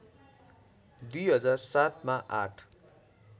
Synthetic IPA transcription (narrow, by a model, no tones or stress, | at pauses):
d̪ujɦʌd͡zarsat̪maʔa̰ʈʰ